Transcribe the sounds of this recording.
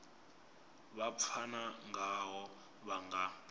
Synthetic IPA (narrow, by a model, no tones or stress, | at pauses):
βap̪fʰanaŋʱaɦɔ | βaŋɡa